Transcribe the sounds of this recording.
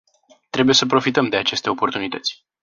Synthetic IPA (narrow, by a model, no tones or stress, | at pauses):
t̪ɾe̞buje̞səpɾo̞fit̪əmd̪e̞at͡ʃe̞st̪e̞o̞po̞rt̪unit̪ət̪sʲ